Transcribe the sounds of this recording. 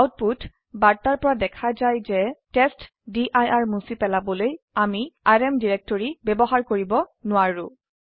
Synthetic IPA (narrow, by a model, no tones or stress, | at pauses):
awt̚putʰ | baɹtaɹpɔɹadɛkʰazajzɛtɛst | diʔajaɹmusipɛlabɔloj | amiaɹɛmdiɹɛk̚tɔɹibɛbɔɦaɹkoɹibɔnʊwaɹʊ